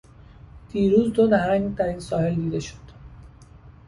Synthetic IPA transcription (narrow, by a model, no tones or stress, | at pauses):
d̪̥iːɾuːzd̪od̪æhɾæŋt̪ʰæɾiːnsɒːhe̞ld̪iːd̪e̞ʃo̥d̪̥